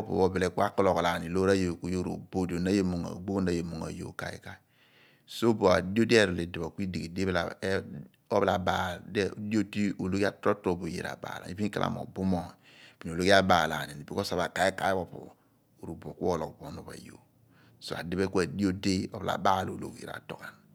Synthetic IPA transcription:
po̰˨βo˨bɛ˨lɛ˦ku˦a˦klo˨kla˨ni˨lo˦ɾa˦jo˨ku˦jo˦ɾo̰˨bo˦di˨o˨na˦je˦mo˨ŋa̰˨ɡ͡bo˦na˨je˨mo˨ŋa̰˨jo̰˨ka̰˨˦ḭ˦ka˨i˨ | so˦bo˨a˨di˦o˦di˦a˦˨ɾo˨le˨di˨bo˨ki˦di˨ɡi˨de˦bla̰˨˦ | ɔ˦βla˨ba˦˨dɛ˦˨di˦o˦ti˦o˨lo˦ki˦a˦tɾo˦to˦˨bo˨jḛ˨ɾa̰˨ba̰˨la̰˨i˨˦pi˦ka̰˦lʔa̰˨mo̰˨bu˦mo˨pi˨n˨o˨lo˦ki˦a˦ba˨la˨ni˨ni˨pi˦ko˦sa˨βa˨ka˨i˦ka˦i˦bo˨po̰˨ | o˨ɾu˨bo˨ku˦ɔ˦˨lo˨kbo˨˦no˨βa̰˨jo̰˨ | so˨a̰˨di˦bɛ˦ku˦e˨di˦o˦de˦ɔ˦bla̰˨ba˦˨lo˨lo̰˨kḛ˨ɾa̰˨to˨ka˨n

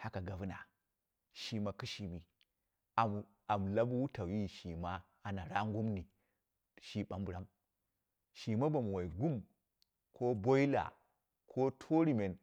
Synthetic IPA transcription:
ha˦ka˨ɡa˨vu˦na̰˨ | ʃi˦ma˨ki˦ʃi˨mi˨ | a˨ | a˨m˨la˦bu˦wu˦ta˨wi˦ʃi˨ma˦ | a˨na˨ɾa˦ŋɡu˦mni˨ | ʃi˦ɓa˦mbu˨ɾa˦m | ʃi˨ma˦ba˨mu˨wa˨i˨ɡu˦m | kʰo˦bo˦i˦la̰˨ | kʰo˦tʰo˦ɾi˨me˨n

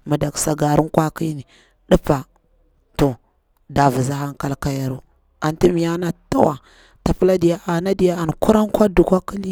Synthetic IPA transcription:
ma˨da˨ksa˨ɡa˨ɾu˦nkwa˦ki˦ni˨ | ɗi˦pa˨ | to˨ | da˨vi˨za˦ha˦ŋka˦lka˦ja˨ɾu˦ | a˨nti˦mi˨ja˦na˦ta˦wa˨ | ta˨pə˦la˦di˨ja˦ʔa˨na˦di˨ja˦a˨n˨ku˦ɾa˦ŋka˦du˨kʷa˦ki˦li˦

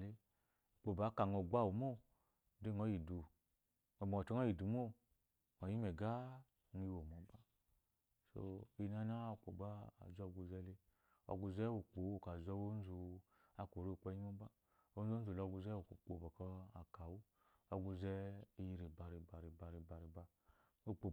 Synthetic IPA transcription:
le˦˨ | k͡po˨ba˨˦ka˨ŋɔ˨ɡa˦˨wu˨mo˦ | de˦˨ŋɔ˨˦ji˨du˨ | ɔ˨ɡ͡bɔ˨ɔ˨tɔ˦ŋ˦ɔ˦ji˨du˨mo˦ | ɔ˨ji˦mɛ˨ɡa˦ | ŋi˧wo˨mɔ˨˦ba˦ | so̰˧i˧na˧na˦˨k͡po˨ɡ͡ba˦a̰˨zɔ˦˨ɡu˧zɛ˧˦le˧ | ɔ̰˧ɡu˧zɛ˦wo˨k͡po˨o˨ka˨zɔ˧˦wo˦n˦zu˧ | a˧˨ko˨ɾe˦o˨k͡pɛ˧˦i˦mo˦ba˦ | o˦n̩˦zo˦n̩˦zu˨lɔ˧˦ɡu˧zɛ˦o˨ko˨k͡po˨bɔ˨kɔ˧a˨ka˨wu˦ | ɔ˧ɡu˧zɛ˦i˧ji˧ɾi˨ba˧ɾi˧˨ba˧ɾi˧ba˧ɾi˧ba˧ɾi˨ba˧ | o˦˨k͡po˨

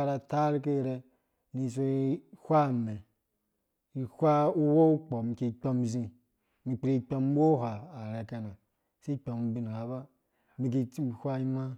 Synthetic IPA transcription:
a˦˨ɾa˧ta˦ɾi˦k̬e˦˨ɾe˦ | ni˨˧˨s̬o˦hʷa˦me˨ | i˨hʷa˦u˦wo˦u˦k͡po˨mi˨ke˨k͡pʲo˦m˨zi˧ | mi˨k͡pɾi˦k͡pʲo˦m˦wo˦˨hʷaː˨ɾe˨ka˧na˨ | si˦k͡pʲo˨m˨˦bi˦n˨ha˨ba˦ | mi˨k̬i˧˦˨hʷa˦i˦ma˦

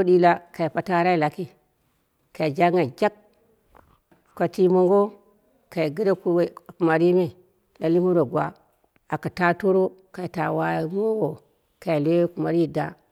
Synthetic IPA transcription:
o˦di˦la˦ka˨i˨pa˨ta˦ɾa˦i˦˨la˨ki˦ | ka˨d͡ʒa˦ŋa˨d͡ʒa˦k | kʷːa˨ti˦mo˦ŋɡo˦ | ka˨ɡi˦ɾe˦ku˦˨ku˨ma˨ɾi˦me˨ | la˨li˦mu˦ɾo˨ɡwa̰˨˦ | a˨ka˨ta˦to˦ɾo˦ka˨i˨ta˨wa˦˨˦m˦o˦ɡo˨ | ka˨i˨le˦we˦ku˨ma˨ɾi˦˨da̰˦

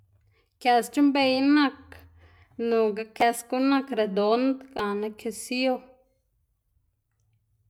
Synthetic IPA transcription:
kja˧st͡ʃi˦mbe˧jnã˦˧k | nũ˨ɡa˧kʰa˧sko˦nã˦˧kɾe˨d̪o˨˦nd̪kã˨nã˧kʰe˧si˦o˦

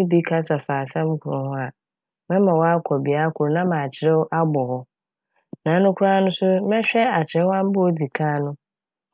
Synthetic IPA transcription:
bi˦kʰa˦sa˨faː˨sɛ̃˦m̩˦kʰʊ˨ɾʊ̃˨hʊ̃˦a˨ | mɛ̃˦mã˨wɔ˦a˦kʰɔ˨bɪ˨a˦kʰʊ˨ɾnã˦mã˨t͡ɕʰɪ˨ɾɛ˦wʔa˦bɔ˨hɔ˦ | nã˨˦nʊ̃˦kʰu˦ɾa˦nʊ̃˦sʊ˦mɛ̃˦ɕᶣɛ˦a˨t͡ɕʰɪ˨ɛ˦wã˦m˦bʊ˦o˦di˨kʰãː˦nʊ̃˦

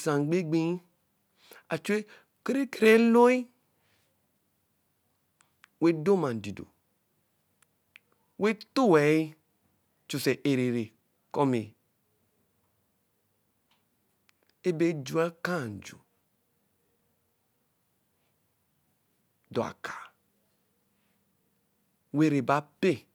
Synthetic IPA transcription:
sã˨ŋ˨ɡ͡be˦ɡ͡be˦i˦ | a˨t͡ʃu˦e˦ | kɾe˦ke˦ɾe˦lo˦i˦ | we˦do˦mã˨n˨di˨do̰˨ | we˦to˦˨wɛ˨i˦ | t͡ʃu˨se˨ʔe˨ɾe˨ɾe˨ | kɔ˦me˨ | e˦be˦d͡ʒu˦a˦ka˦˨n˨d͡ʒṵ˨ | dɔ˨a̰˨kḁ˨ | we˦ɾe˨ba˦pe˦˨

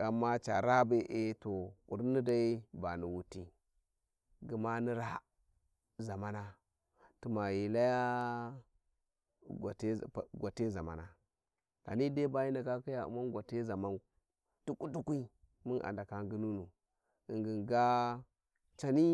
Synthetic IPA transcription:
a˨mːa˦t͡ʃa̰˨ɾa˦be˨ʔe˦to˨kṵ˨ɾni˦da˦i˦ba˨ni˨wu˦ti˦ | ɡi˨ma˦ni˦ɾa˦ | za˨ma˦na˦ | tu˨ma˨ji˨la˦ja˦ | ɡa̰˨te˦˨ɡʷa˨te˦za˨ma̰˨na˨ | ɡ̥a̰˨ni˦de˦ba˦ji˦na˨ka˦ki˦ja˨ṵ˨ma˦n˦ɡʷa˨te˦za˨ma˦n | tu˦ku˦tu˦kʷi˦ | mi˦na̰˨nda˨ka˦ŋ˦ɡi˦nu˦nu˨ | i˨ŋɡi˨nɡa˦ | t͡ʃa˨ni˦

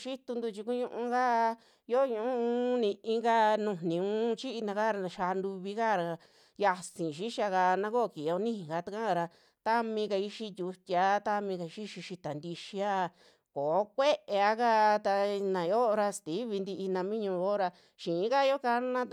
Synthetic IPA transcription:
ʃi˦t̪u˧nd̪u˧t͡ʃi˧ku˦ɲũ˧ʔũ˧ka˦ | jo˦ɲũ˧˦˧nĩ˧ĩ˦ŋɡa˦nũ˧˨nĩ˨ũ˦t͡ʃi˦i˧nã˧ka˦ɾa˧ʃa˧nd̪u˧βi˧ka˦˨ɾa˧ | ja˧sĩ˨ʃi˦ʃa˧ka˧nã˧˦ko˦˨˧ki˨o˧˦nĩ˦ĩ˨ɡa˧t̪a˧kã˦˧ɾa˧ | t̪a˦mĩ˧ka˧i˧ʃi˧t̪ʲu˧t̪ʲa˧˦t̪a˧mĩ˧ka˧i˧ʃi˦ʃi˧ʃi˧t̪a˨nd̪i˧ʃi˧a˦˨ | ko˨˦kʷe˦ʔe˨˧a˧ka˦t̪a˧nã˨jo˦˧ɾa˧st̪i˨˦βi˧nd̪i˧ʔi˧nã˧mĩ˦ɲũ˧˨˧jo˦ɾa˧ | ʃĩ˨˦ka˦jo˦ka˧˦nã˦

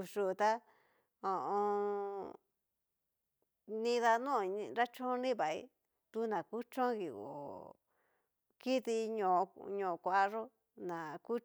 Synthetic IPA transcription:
ʂu˧˨˧t̪a˦ | õ˨ʔõ˧ | nĩ˧ða˧nũ˦˨˧ɾa˦t͡ʃõ˦nĩ˦βa˨ḭ˦ | t̪u˦nã˨ku˦t͡ʃõ˦ɣi˨o̰˨ | ki˦t̪i˧ɲõ˧˨˧ɲõ˧˨˧kʷa˧˨˧ʐo˦ | nã˨ku˦

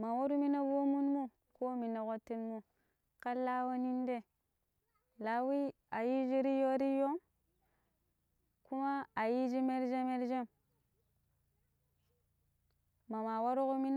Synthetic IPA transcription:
ma˨wo˦ɾu˦mi˦na˦vo˦mu˦nmu˦ | ko˦mi˨na˨ko˦tːi˦nmu˦ | ka˦la˦wa˦ni˦nde˦ | la˨wi˦ | a˨ji˦d͡ʒi˦ɾi˦jo˦ɾi˦jo˦ŋ | ku˦ma˦a˨ji˦d͡ʒi˦me˦ɾd͡ʒe˦me˦ɾd͡ʒe˦m | ma˨ma˨wa˦ɾu˦ko˦mi˦n

